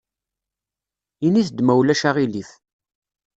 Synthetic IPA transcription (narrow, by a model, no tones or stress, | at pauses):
iniθd̪mæwlæʃaʁiliθ